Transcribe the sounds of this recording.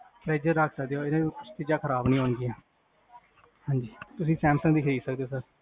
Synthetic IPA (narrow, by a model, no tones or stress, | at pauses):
pɾɛːd͡ʒəɾːəkʰsəkd̪eːoːɪnãːkʊt͡ʃʰt̪ɪd͡ʒãːkʰəɾaːbnĩːɦoːnɡiːãː | hãːɲd͡ʒiːt̪ʊsĩːsɛ̃ːmsə̃ŋɡd̪iːkʰəɾiːd̪səkd̪eoːsəɾ